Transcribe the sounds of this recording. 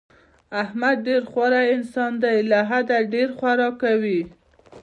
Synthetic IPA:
ahmad̪̚ɖeɾxwaɾɑɪnsɑnd̪ajlaɦad̪aɖeɾxwaɾɑkawi

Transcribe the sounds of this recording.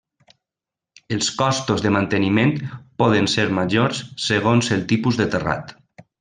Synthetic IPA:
elˠskɔst̪ozðəmant̪əniment̪pɔð̞ənseɾmaʒoɾsseɣ̞onzəlˠt̪ipuzðət̪əra̰t̪

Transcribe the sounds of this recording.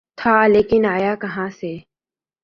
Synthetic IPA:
t̪ʰaleːkɪnaːjakɐɦãse

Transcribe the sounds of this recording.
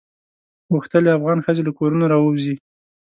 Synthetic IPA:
ɣuxt̪əleafɣɑnxəzelakoɾunoɾɑwəwzi

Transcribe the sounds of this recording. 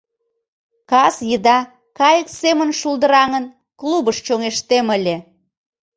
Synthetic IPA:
kɑsjəd̪ɑ | kɑjəksemənʃuld̪əɾɑŋən | klubəʃt͡ɕoŋeʃt̪eməlʲe

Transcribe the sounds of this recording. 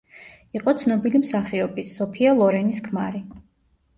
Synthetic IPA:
iqʼɔt̪sʰnɔbilimsaχiɔbisːɔpʰialˠɔɾɛniskʰmaɾi

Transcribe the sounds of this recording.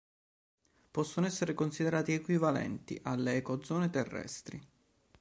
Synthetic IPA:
pɔsːonoɛsːeɾekonsid̪eɾaːt̪iekwivalɛ̰nt̪ḭʔalːeːkod̪zɔːnet̪erːɛ̰st̪ɾi

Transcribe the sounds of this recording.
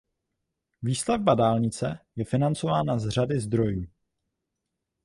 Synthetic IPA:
viːst̪avbadaːlɲɪt͡sɛjɛfɪnant͡so̞vaːnazr̝adɪzd̪ɾo̞juː

